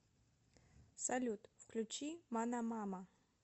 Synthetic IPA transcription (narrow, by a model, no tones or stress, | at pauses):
salʲut̪ʼfkʰlʲut͡ʃʰimanamamɐ